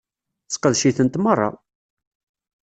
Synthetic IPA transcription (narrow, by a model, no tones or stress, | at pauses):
t͡sːqəðʃiθənt̪mərˤːɑ̰